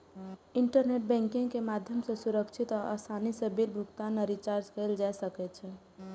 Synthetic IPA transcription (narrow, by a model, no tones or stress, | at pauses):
ɪɳʈəɾneʈ̚bɛ̃ŋkĩŋɡkemad̪ʱjəmsesuɾəkt͡ʃʰit̪a̰sanisəbilbʱʊkt̪anəɾit͡ʃaɾd͡ʒkəld͡ʒaesəkɛtt͡ʃʰɛ